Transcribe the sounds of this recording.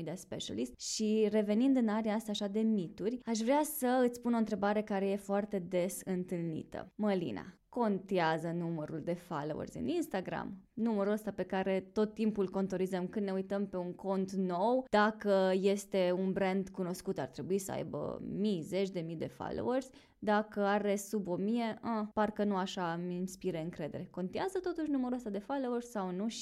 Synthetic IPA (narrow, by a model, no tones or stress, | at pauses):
d̪iaspeʃa̰list̪ʃire̞ve̞nind̪ɨnaɾeaːst̪aːʃad̪e̞mit̪urʲaʃ̬vɾeasəɨt̪sʲpuno̞ɨnt̪ɾe̞baɾe̞kaɾe̞je̞foart̪e̞d̪e̞sɨnt̪ɨlnḭt̪ə̰məlḭna̰ko̞nt̪eazənuməɾuld̪e̞falo̰wə̰rzʲɨ̰ninst̪aɡɾa̰mnuməɾuəst̪ape̞kaɾe̞t̪o̞t̪ːimpulko̞nt̪o̞ɾizəmkɨnd̪neujt̪əmpe̞uŋko̞nt̪no̞wd̪̥akəje̞st̪e̞unbɾend̪kuno̞skut̪art̪ɾe̞buisəa̰jbə̰mijze̞t͡ʃʲd̪e̞mijd̪e̞fa̰lo̰wərz̥ʲ | d̪akəaɾe̞subo̞mije̞əparkənuaʃaminspiɾeɨŋkɾe̞d̪e̞ɾe̞ko̞nt̪iazət̪o̞t̪uʃ̬ʲnuməɾuəst̪ad̪e̞falo̞wərʲsawnuʃi